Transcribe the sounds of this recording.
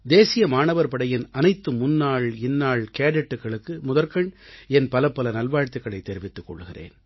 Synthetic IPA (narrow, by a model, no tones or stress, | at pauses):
d̪eːsɪjɐmaːɳɐʋɐɾpɐɽɐjɪnʔɐnɐɪt̪ːɯmʊnːaːɭɪnːaːɭkeːɽɐʈːɯkːɐɭɯkːɯmʊðɐɾkɐɳɛnpɐlɐpːɐlɐnɐlʋaːɻt̪ːɪkːɐɭɐɪt̪ːɛɾɪʋɪt̪ːɯkːɔ̰ɭːɯɣɪrḛːn